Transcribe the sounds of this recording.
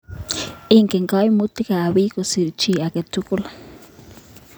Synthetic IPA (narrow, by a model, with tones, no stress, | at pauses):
i˦ŋkɛ˨ŋka˦jmu˦t̪i˦kaː˨βi˦ko˨si˨ɾt͡ʃi˦˨a˨ke˨tu˦kʊ˦la˨